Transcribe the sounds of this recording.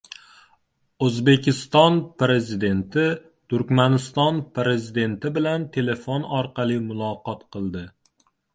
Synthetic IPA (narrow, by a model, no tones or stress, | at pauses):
ɵzbe̞kʲʰɪst̪ɒnpɾe̞zid̪e̞nt̪ʰɪ | t̪ʊɾkʲmanɪst̪ɒnpɾe̞zid̪e̞nt̪ɪbɪlant̪ʰe̞le̞fonɒɾqʰɑlˠimʊlˠɒqɒt̪qɨlˠd̪ɪ